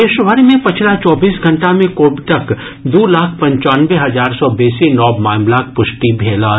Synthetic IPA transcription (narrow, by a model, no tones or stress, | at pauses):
eʃʋəɾmẽpɐt͡ʃʰlat͡ʃɔːbiːsɡʱɐ̃ɳʈamẽkoːbʈ̪ək | d̪oːlaːkʰpɐ̃ɲt͡ʃaːnʋeɦɐzaːɾsɔbeːsinɔːbmaːɪmlaːk̚pʊʃʈibʱeːla